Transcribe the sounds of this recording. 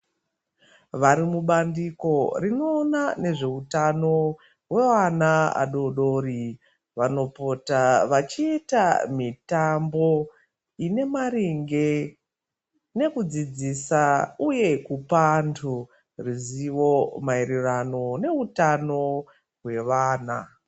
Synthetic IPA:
ʋaɾimuɓandiko̞rino̞ːnane̞ʐe̞utano̞ | we̞ʋanaa̰ɗo̞ɗo̞ːri | ʋano̞po̞taʋat͡ʃiːtamitambo̞ | ine̞maɾiŋɡe̞ | ne̞kud͡zid͡zisauje̞kupantʰu | riziʋo̞maiɾirano̞ne̞utano̞ | ɦwe̞ʋaːna̰

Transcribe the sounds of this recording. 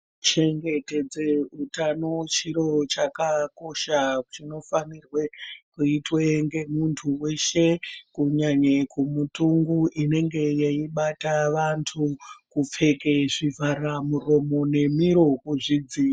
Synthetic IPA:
t͡ʃe̞ŋɡe̞ted͡zeutanot͡ʃiɾo̞t͡ʃakako̞ʃat͡ʃino̞fanirwe̞kuitweŋɡe̞muntʰuwe̞ʃe̞kuɲaɲekumutuŋɡuʔine̞ŋɡe̞jeiɓataʋantʰukup͡fe̞keʐivʱaramuro̞mo̞ne̞miɾo̞kuʐid͡zi

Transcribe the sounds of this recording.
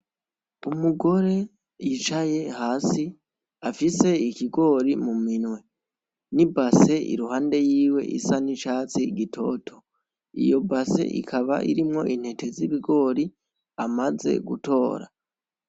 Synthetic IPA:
umuɡo̞ɾe̞ | jit͡ʃaje̞haːsi | afise̞ikiɡo̞ɾimuminwe̞ | nibase̞ʔḭɾuhaːnde̞jiːwe̞̰ʔḭsaniʃaːt͡siɡitʰo̞ːtʰo̞ | ḭjo̞base̞̰ʔḭkʰaβa̰ʔḭɾimŋo̞ʔin̥etʰe̞ziβiɡo̞ːɾi | amaze̞̰ɡuto̞ːɾa̰

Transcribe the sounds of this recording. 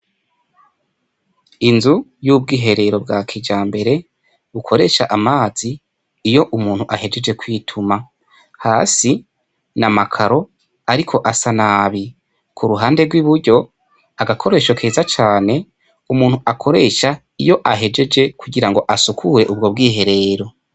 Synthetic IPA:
inzujuːbɡiːɦe̞ɾe̞ɾo̞bɡaːkʰeːd͡ʒaːmbe̞ɾe̞ | βukʰo̞ɾe̞ʃaʔamaːz̥iː | jo̞ʔumuːn̥huʔahe̞d͡ʒe̞d͡ʒe̞kwiːtʰuma | haːsi | namakʰaɾo̞ | aɾikʰo̞ʔasanaːβi | kʰuɾuɦaːnde̞ɡwiβuɾɟo̞ | aɡakʰo̞ɾe̞ːʃokʰeːzat͡ʃaːne̞ | umuːnhuʔakʰo̞ɾe̞ʃa | ijo̞ʔaɦe̞d͡ʒe̞d͡ʒe̞kuɟiɾaŋɡo̞ʔasukʰuɾe̞ʔubɡo̞bɡiːɦe̞ɾe̞ːɾo̞

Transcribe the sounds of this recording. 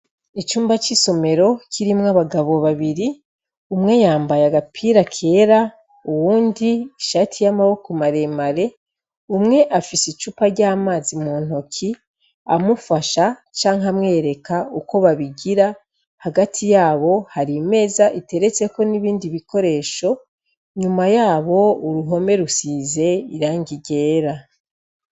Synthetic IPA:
it͡ʃuːmbat͡ʃiso̞me̞ɾo̞cʰiɾimŋaβaɡaβo̞βaβiɾi | umŋe̞jaːmbajaɡapʰiɾakʰe̞ːɾa | uwuːndiːʃatʰijamaβokumaɾe̞maɾe̞ | umŋe̞ʔafisit͡ʃuːpaɾɟaːmaːzimuːn̥ho̞kʰi | a̰mufaʃat͡ʃaːŋɦamŋe̞ːɾe̞kauko̞βaβiɡiɾa | haɡatʰijaːβo̞haɾime̞ːzaʔite̞ɾe̞t͡se̞ko̞niβiːndiβiko̞ɾe̞ːʃo̞ | ɲumajaːβo̞uɾuɦo̞me̞ɾusize̞iɾaːŋɡiɟe̞ːɾa

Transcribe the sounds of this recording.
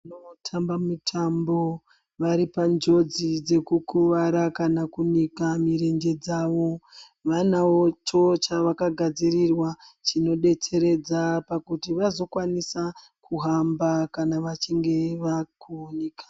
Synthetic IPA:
anotʰambamutʰambo̞ | ʋaɾipand͡ʒo̞d͡zid͡ze̞kukuʋaɾakanakunikamiɾe̞nd͡ʒe̞d͡zaʋo̞ | ʋanawo̞t͡ʃo̞t͡ʃaʋakaɡʱad͡zirirwat͡ʃino̞ɗe̞t͡se̞ɾe̞d͡zapakutiʋazo̞kwanisa | kʰuɦambakanaʋat͡ʃiŋɡe̞ʋakuonekḁ

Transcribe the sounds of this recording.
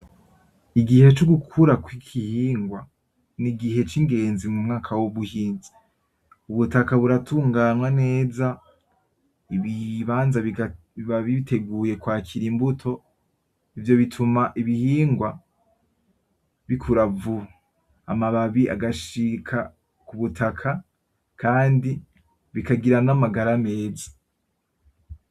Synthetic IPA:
iɡihe̞t͡ʃoɡukʰuɾakwikʰihiːŋɡwa | niɡihe̞t͡ʃiŋɡe̞ːnzimumŋaːkʰawoβuhiːnzi | uβutakaβuɾatʰuːŋɡanwane̞ːza | iβiβaːnza | βaβiβitʰe̞ɡuːje̞kwaːkʰiɾimbutʰo̞ | ivjo̞βitʰumaʔiβihiːŋɡwa | βikʰuɾavuh | amaβaβiʔa̰ɡaʃikʰa | kuβutʰakʰa | kʰaːndi | βikaɡiɾanamaɡaɾame̞ːzḁ

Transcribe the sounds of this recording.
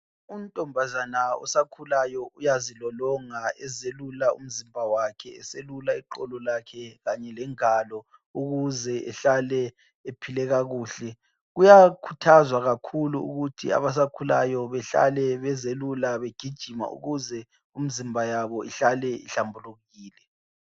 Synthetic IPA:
untʼɔmbʱazanaɔ̰sakʰulajɔujazilɔlɔŋaɛzelulaṵm̩zimbʱawakʰɛɛselulaiǃɔlɔlakʰɛɣaɲɛlɛŋalɔ | uɣuzɛʔɛɬalɛ | epʰilɛɣaɣuːɬɛ | ɣujakʰutʰazwaɣakʰuluṵɣutʰia̰βas̬akʰula̰jɔβɛɬa̰lɛβɛzelulaβeɡ̥ʱid̥ʒ̥ʱima̰ʔṵɣuzɛ | um̩zimbʱajaβɔiɬalɛḭɬambʱuluɣiːlɛ

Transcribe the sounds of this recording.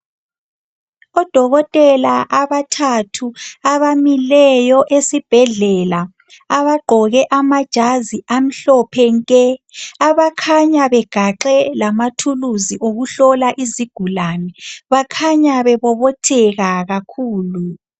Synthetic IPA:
ɔd̥ʱɔɣɔtʼɛlaʔaβatʰatʰuaβamilɛjɔʔesib̥ʱɛɮɛla | aβaɡ͡ǃʱɔɣɛʔamad̥ʒ̥ʱaziʔam̩ɬɔpʰɛŋkʼɛaβakʰaɲaβɛɡ̥ʱaǃɛlamatʰuluziʔoɣuɬɔlaʔiziɡ̥ʱulanɛβakʰaɲaβɛβɔβɔtʰɛɣaɣakʰuːlu

